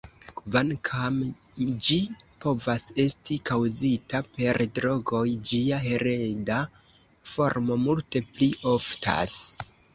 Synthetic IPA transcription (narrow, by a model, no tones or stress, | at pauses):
kvankʰam | d͡ʒipo̞vase̞stikawzitape̞ɾdɾo̞ɡo̞jd͡ʒiaɦe̞ɾe̞da | fo̞ɾmo̞multe̞pliʔo̞ftʰa̰s